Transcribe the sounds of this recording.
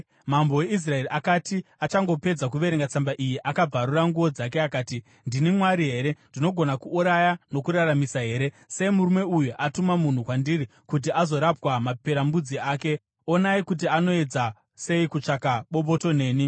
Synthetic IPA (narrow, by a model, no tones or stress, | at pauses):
mambo̞we̞is̬rae̞riʔakatiat͡ʃaŋɡo̞pe̞d͡zak̬uʋe̞ɾeŋɡat͡sambaʔijiʔakab͡vaɾuraŋɡuʋo̞d͡zak̬eakaːti | ndinimwaɾiɦe̞ɾe̞ndino̞ɡʱo̞nakuːɾajano̞kuɾaramisaɦe̞ːɾe̞ | se̞imuɾume̞ujuʔatumamun̤ukwandiri | kut̬iazo̞ɾapwamapeɾambud͡ziaːke̞ | onaikut̬iano̞e̞d͡za | se̞ikut͡ʂakaɓo̞ɓo̞to̞ne̞ːni